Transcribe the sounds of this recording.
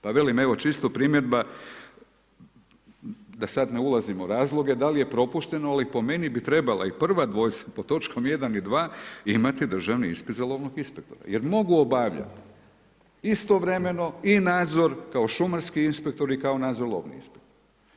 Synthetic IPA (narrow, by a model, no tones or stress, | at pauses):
paʋe̞lime̞ʋo̞t͡ʃist̪opɾimje̞d̪ba | d̪asad̪neulˠazimoɾaːzlˠo̞ɡe̞d̪alije̞pɾo̞puʃt̪e̞noalipo̞me̞nibit̪ɾe̞balˠa̰ipr̩ʋad̪ʋo̞jt̪sḁpo̞t̪o̞t͡ʃkʰo̞mje̞d̪anid̪ʋaːimat̪id̪r̩ʒaʋniḭnspid̪zelˠo̞ʋnoɡinspek̚t̪o̞̰ɾa̰jeɾmo̞ɡuobaʋʎa̰t̪ | ist̪o̞ʋɾe̞me̞no̞inaːd̪zo̞ɾkaoʃumaɾskiinspe̞k̚t̪o̞ɾikaonaːd̪zoɾlo̰ːʋnḭḭnspek̚t̪oɾ